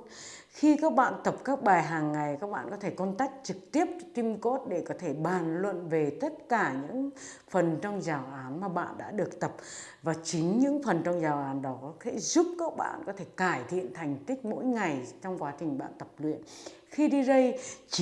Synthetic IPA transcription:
xi˧kaː˦˥k̚ɓa̰ː˧˨nt̪ə˨˩p̚kaː˦˥k̚ɓaː˨˩jɦaː˨˩ŋːa˨˩jkaː˦˥k̚ɓa̰ː˧˨nkɔ˨˦t̪ʰe˧˩kɔ˧nt̪aː˦˥jk̟̚t͡ɕɨ˨˩k̚t̪i˦˥əp̚t̪i˧mko˦˥t̚ɗe˧˩kɔ˨˦t̪ʰe˧˩ɓaː˨˩nlwə̰˧˨nve˨˩t̪ə˦˥t̚kaː˧˩ɲɨ̰˧˥ŋ | fə˨˩nt͡ɕɔ˧wŋ͡mzaː˨˩wʔaː˨˦nmaː˨˩ɓa̰ː˧˨nɗa̰ː˧˥ɗɨ˨˩ək̚t̪ə˨˩p̚ | vaː˨˩t͡ɕï˨˦ŋ̟ɲɨ̰˧˥ŋfə˨˩nt͡ɕɔ˧wŋ͡mzaː˨˩wʔaː˨˦nɗɔ˨˦˨t̪ʰḛ˧˥zu˦˥p̚kaː˦˥k̚ɓa̰ː˧˨nkɔ˨˦t̪ʰe˧˩kaː˧˩jt̪ʰḭ˧˨ənt̪ʰa˨˩jŋ̟t̪i˦˥k̟̚mo̰˧˥jŋa˨˩jt͡ɕɔ˧wŋ͡mkwaː˨˦t͡ɕï˨˩ŋ̟ɓa̰ː˧˨nt̪ə˨˩p̚lwḭ˧˨ən | xi˧ɗi˧zə˧jt͡ɕ

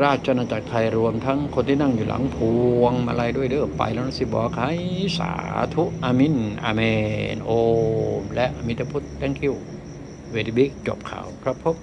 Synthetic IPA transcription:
ɾaː˥˩t̪̚t͡ɕa˧naː˧t͡ɕa˨˩k̚t̪ʰa˧jɾu˧əmt̪ʰa˦˥ŋkʰo˧nt̪ʰiː˥˩na˥˩ŋjuː˨˩la̰˩˦ŋpʰuː˧əŋma̰˧la˧jdu˥˩əjlɯ˥˩pa̰˧jlɛː˦˥wnaː˧˥˩si˧˩bɔ̰ː˨kʰaː˨˦jsa̰ː˦t̪ʰu˦˥ʔʔaː˧mi˧˥˨nʔa̰ː˧meː˧nʔoː˧mlɛ˦˥ʔa˧mi˧˥t̪ʰa˧pʰu˦˥t̪ːɛ˦˥˩ŋkʰi˧˥˩w | we˧˩d̪i˧˩bi˦˥˩k̚t͡ɕo̰˨˩p̚kʰa̰ː˨˩wkʰɾa˦˧˥pʰːo˦˥p̚

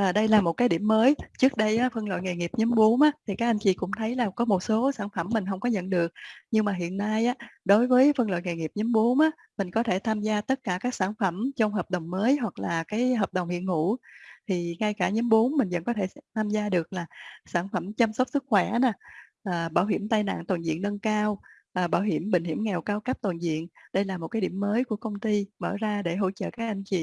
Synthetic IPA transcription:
ʔəː˨˩ɗə˧jlaː˨˩mo˨˩t̚kaː˨˦jɗḭ˧˩əmːəː˨˦jt͡ɕɨ˦˥ək̚ɗə˧jʔaː˨˦fə˧nlo̰˧˨jŋe˨˩jŋi˨˩p̚ɲə˨˦mɓu˨˦ənʔaː˨˦t̪ʰi˨˩kaː˦˥k̚ʔa˧jŋ̟t͡ɕḭ˧˨˩kʊ̰˧˥ŋ͡mt̪ʰə˨˦jlaː˨˩kɔ˨˦mo˨˩t̚so˨˦saː˧˩nfə˧˩mːï˨˩ŋ̟ɦə˧wŋ͡mkɔ˨˦ɲə̰˧˨nɗɨ˨˩ək̚ɲɨ˧ŋmaː˨˩ɦḭ˧˨ənːaː˧jʔaː˨˦ɗo˨˦jvəː˨˦jfə˧nlo̰˧˨jŋe˨˩jŋi˨˩p̚ɲə˨˦mɓu˨˦ənʔaː˨˦ | mï˨˩ŋ̟kɔ˨˦t̪ʰe˧˩t̪ʰaː˧mzaː˧t̪ə˦˥t̚kaː˧˩kaː˦˥k̚saː˧˩nfə˧˩mt͡ɕɔ˧wŋ͡mɦəː˨˩p̚ɗə˨˩wŋ͡mməː˨˦jɦwa˨˩k̚laː˨˩kaː˨˦jɦəː˨˩p̚ɗə˨˩wŋ͡mhḭ˧˨ənŋṵ˧˩˥t̪ʰi˨˩ŋa˧jkaː˧˩ɲə˨˦mɓu˨˦ənmï̟˨˩və̰˧˥nkɔ˨˦t̪ʰe˧˩t̪ʰaː˧mzaː˧ɗɨ˨˩ək̚laː˨˩saː˧˩nfə˧˩mt͡ɕa˧msə˦˥k͡p̚sɨ˦˥k̚xwɛ˧˩na˨˩ | ʔəː˨˩ɓaː˧˩wɦi˧˩əmt̪aː˧jna̰ː˧˨ŋt̪waː˨˩nzḭ˧˨nːə˧nkaː˧w | ʔːɓaː˧˩wɦi˧˩əmɓï˨ŋ̟hi˧˩əmŋɛ˨˩wkaː˧wkə˦˥p̚t̪wnzḭ˧˨ənɗə˧jlaː˨˩mo˨˩t̚kaː˨˦ɗi˧˩əmːəː˨˦jku˧˩əkə˧wŋ͡mt̪i˧mə̰ː˧˩zaː˧ɗe˧˩ɦo̰˧˥t͡ɕə̰ː˧˨kaː˦˥k̚ʔa˧jŋ̟t͡ɕḭ˧˨

